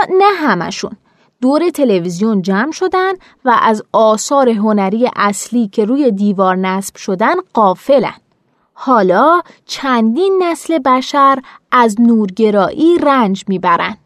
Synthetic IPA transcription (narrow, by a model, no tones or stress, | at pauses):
næɦæmæ̰ʃṵn | d̪̥oːɾe̞t̪ʰe̞le̞vizijond͡ʒæmʃo̞d̪ænd̪̥ | væʔæzɒːsɒːɾe̞ɦonæɾiːjḛʔæsliːcʰe̞ɾuːje̞d̪iːvɒːɾnæsb̥ʃo̞d̪ænɢɒːfe̞læ̰nd̪̥ | hɒːlɒːt͡ʃʰænd̪inːæsle̞bæʃæɾʔæznuːɾɟe̞ɾɒːʔiːrænd͡ʒmiːbæɾæ̰nd̪̥